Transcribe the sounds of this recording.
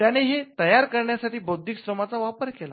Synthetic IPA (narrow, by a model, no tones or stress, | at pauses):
t̪jañeɦet̪əjaɾkəɾɳjasaʈʰiːbəwd̪ʱːiksɾəmat͡saʋapəɾkela